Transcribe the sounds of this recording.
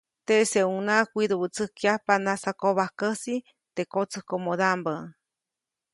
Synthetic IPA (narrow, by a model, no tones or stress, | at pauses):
t̪eseunakʷiɾuβɨt͡sɨkiapanasakoβahkəsi | t̪ekot͡sɨkomod̪ambə